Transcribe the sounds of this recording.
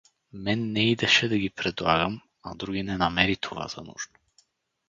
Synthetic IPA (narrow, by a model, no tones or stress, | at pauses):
mɛnːɛid̪ɛʃɛd̪ɐɡʲipɾɛd̪lˠa̰ɡəm | ɐd̪ɾuɡʲinɛnɐmɛɾit̪ʰova̰zɐ̰nṵʒno̥